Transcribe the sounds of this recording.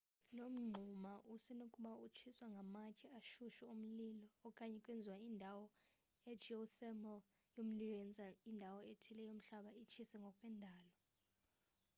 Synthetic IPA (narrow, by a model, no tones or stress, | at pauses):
lom̩ŋ͡ǃʱumaʔusɛnokʼuɓaut͡ʃʰiswaŋɡʱamakʼɛaʃuʃɛum̩lilɔːkʼaɲɛkʼwend͡zʱiwaindʱawɔ | ɛd͡ʒiosɛmɛl | jom̩lilɔɛnd͡zʱaindʱawɔɛtʰɛlɛjom̩ɬaɓait͡ʃʰisɛŋɡʱɔkʼwɛndʱaːlɔ